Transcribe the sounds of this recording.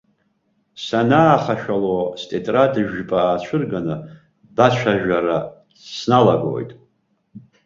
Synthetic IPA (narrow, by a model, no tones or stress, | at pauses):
sanaːχaʃᶣalostʰʼetʼradɨʒᶣpʼaːt͡ɕʷʰɨrɡanɨ | bat͡ɕʷʰaʒᶣaɾa | snalaɡo̰jtʼ